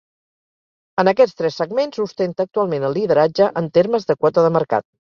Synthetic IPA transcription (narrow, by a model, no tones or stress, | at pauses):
ənəkɛt͡sst̪ɾɛsːəɡmensust̪ent̪ək̚t̪ualˠmenəlˠːiðəɾad͡ʒəʔənt̪eɾməzðəkwɔt̪əðəməɾka̰t̪̚